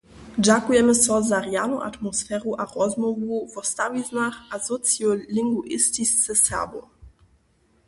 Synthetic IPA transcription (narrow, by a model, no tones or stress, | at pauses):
d͡ʑakujɛməsɔzaʁjanoʔa̰t̪mɔsfɛɾuʔaʁɔzmɔvuvɔst̪aviznaxazɔt͡sjɔliŋɡuʔɪst̪ist͡səsɛ̰bo̰